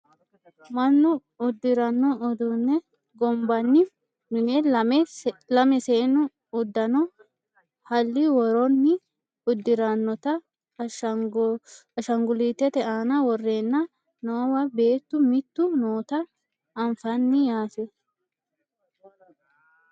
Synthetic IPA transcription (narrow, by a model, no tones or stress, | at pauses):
mɐnːʊ | ʊd̪ːɪɾɐnːɔɔd̪unːɛ | ɡɔmbɐnːɪ | mɪnɛ | lɐmɛseːnːʊ | ʊd̪ːɐnɔ | hɐlːɪwɔɾɔnːɪ | ʊd̪ːɪɾɐnːɔt̪ɐ | ɐʃɐŋɡʊliːt̪ːɛt̪ɛʔaːnɐwɔrːe̞ːnːɐ | noːwɐbe̞ːt̪ːʊmɪt̪ːʊnoːt̪ɐ | ɐɱfɐnːɪjaːt̪ɛ